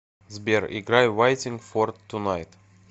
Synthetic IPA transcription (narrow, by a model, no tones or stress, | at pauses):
zbɛɾḭɡɾajwajt̪ɪ̃ŋɡfɔɾt̪ʰːunajt̪